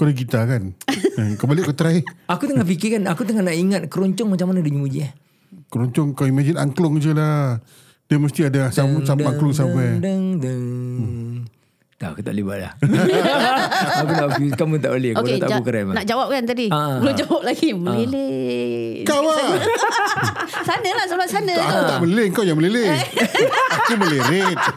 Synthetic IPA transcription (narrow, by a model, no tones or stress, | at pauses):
kodəɡit̪akanəkəmbaliʔkot̪əɾaɪakut̪əŋafikɪkanakut̪əŋanaʔiŋat̪̚kəɾɔɲt͡ʃɔŋmat͡ʃamanaduɲumud͡ʒiah | kəɾɔɲt͡ʃɔŋkawimad͡ʒina̰ŋklɔŋd͡ʒəla | dəməst̪iadaahsamusamaaklʊŋsapadəŋdəŋ | t̪akut̪a̰ʔlibaʔla̰h | akunaʔfikamut̪aʔolɛhoet̪aʔkukaɾananaʔd͡ʒawap̚kant̪adibəlod͡ʒawap̚laɡiməlile | kawa | sanəlahsəulasanəakut̪aʔmə̃lilɪəŋkawjaŋməlile | akuməleɾet̪̚